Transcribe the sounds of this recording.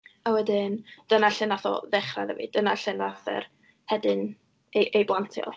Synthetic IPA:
awɛdɪnd̥ənaɬɪnaθɔ̰ðɛχra̰ðəvḭd̥ənaɬɪnaθɛ̰r | hɛdɪn | eʔejblˠantʰjɔ̰lˠ

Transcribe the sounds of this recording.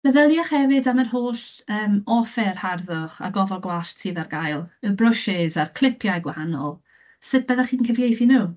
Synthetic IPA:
b̥əðəlˠjɔχhɛvɨdamərhoːɬəːmɔfɛrharðʊχa̰ɡɔvɛlˠɡwaɬtʰiðarɡajlˠəbrʊʃɪzarkʰl̥ˠɪpʰjajɡwahanɔ̰lˠ | sɨd̚bəðaχiːnkʰəvjejθinuː

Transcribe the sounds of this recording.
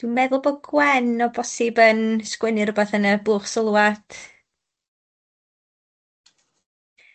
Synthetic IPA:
d̥wɪnmɛðʊlˠbɔɡwɛnɔbɔsɪbənskwɛnɨrəbaθənəbuːχsəlˠuatʰ

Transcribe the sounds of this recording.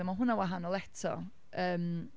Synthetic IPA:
ɛmaɦʊnawaɦanɔlˠɛtʰɔ̰ | əːm

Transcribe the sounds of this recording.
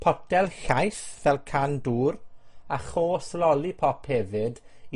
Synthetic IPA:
pʰɔdɛlˠɬajθvɛlˠkʰanduːɾaχoːslɔlˠipʰɔpʰhɛvɪd

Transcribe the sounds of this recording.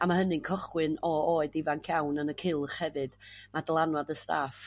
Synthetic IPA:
amaɦənɨnkʰɔχwɨnɔoɨdivankʰjawnənəkʰɪlˠχhɛvɨd̥madlˠanwadəsta̰ːf

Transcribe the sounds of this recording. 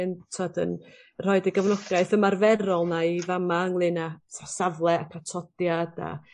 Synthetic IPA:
ntʰɔdə̰n | r̥ɔɨdiɡəvnɔɡaɨθəmarvɛɾɔlˠnaivamaəŋlˠɨnasasavlˠɛakʰatʰɔd̥jada̰

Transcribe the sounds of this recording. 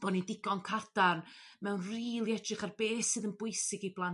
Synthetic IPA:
b̥ɔnidɪɡɔnkʰard̥arnmɛwnriːlˠiɛdrɨχarbeːsɨːðənbʊɨsɪɡiblˠan

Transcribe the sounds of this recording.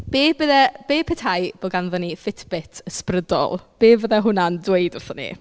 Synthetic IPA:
b̥eːb̥əðɛb̥eːpʰɛtʰhajb̥oɡanðɔnifɪtʰbɪtʰəsprədɔ̰lˠb̥eːvəðɛɦʊnandweɨdʊrθɔnḭ

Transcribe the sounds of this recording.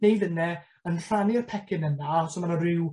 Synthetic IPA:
nejðənɛ | ənr̥aniɔrpʰɛkʰɪnənasɔmanarɪw

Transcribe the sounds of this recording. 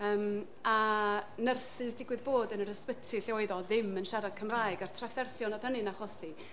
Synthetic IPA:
əːm | anərsɨsdɪɡwɨðboːdənəɾəspətʰɨɬɪɔɨðɔðɪmənʃaɾad̥̚kʰəmraːjɡartʰrafɛrθjɔnɔð̥hənɨnaχɔsi

